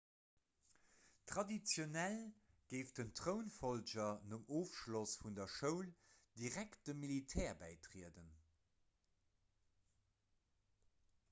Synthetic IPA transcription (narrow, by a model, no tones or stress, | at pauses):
tʁ̥ɑdit͡sjonæl | ɡ̥eɪfd̥əntʁəʊnfold͡ʒɐnəmʔoːfʃlosfundɐʃəʊld̥iʁækt̚d̥əmilitʰɛːɐbæɪtʁiədən